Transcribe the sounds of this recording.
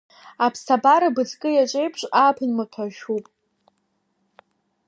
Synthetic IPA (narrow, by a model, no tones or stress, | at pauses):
apʰstʰabaɾabɨd͡zʼkʼɨjat͡ʃʷʼejpʰʂʷʼapʰɨnmɨtʷʰaʃᶣupʼ